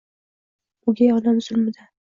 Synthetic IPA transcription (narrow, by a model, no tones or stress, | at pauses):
ʊɡʲajɒd̪amz̥ʊlmɪd̪a